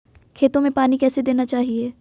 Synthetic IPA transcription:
kʰeːt̪õmẽpaːnikɛːsed̪eːnat͡ʃaːɦieː

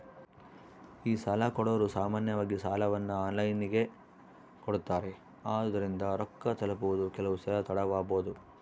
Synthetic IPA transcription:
iːsɐlɐkɔɽɐːɾusaːmaːnjɐʋaːɡisaːlɐʋɐnːuaːnlɐjniɡe̞ | koɽut̪ːaːɾe | aːd̪ɐɾind̪ɐɾɔkːɐt̪ɐlɐpuʋud̪ukɛlɐʋusɐlɐt̪ɐɽɐʋaːboːd̪u

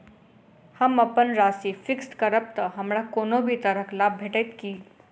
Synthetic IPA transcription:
haməpənɾasifikskəɾəp̚t̪əɦəmɭakonobʱiːt̪əɾəklab̚bʱeʈejt̪kiː

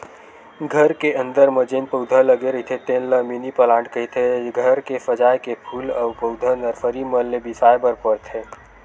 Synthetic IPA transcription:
ɡʱəɾkeə̃nd̪əɾməd͡ʒenpəʊd̪ʱələɡeɾəɦit̪ʰet̪eːnləminipəlãːɳʈkəɦit̪ʰeɡʱəɾkefəd͡ʒaːjkepʰuːləʊpəd̪ʱənəɾfʰəɾiməlːebisaːjbəɾpəɾt̪ʰe

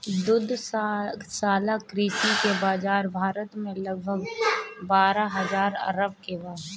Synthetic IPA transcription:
d̪ʊd̪ʱssaːlakɾiːsikebaːd͡ʒaːɾbʱaːɾət̪mẽlɐɡ̚bʱəɡbaːɾaɦɐzaːɾɐ̰ɾəb̚kebaːɦ

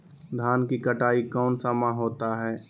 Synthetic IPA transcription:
d̪ʱaːnkikɐʈaːikɔːnsamãɦoːt̪aɦɛː

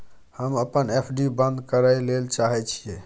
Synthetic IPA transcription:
həməpənepʰɖibə̃nd̪kəɾəjlelt͡ʃaɦɛt͡ʃʰije

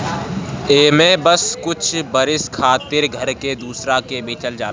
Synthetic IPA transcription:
eːmẽbəskʊt͡ʃʰbəɾɪskʰaːt̪ɪɾɡʱəɾked̪uːsɾakebiːt͡ʃəld͡ʒaː

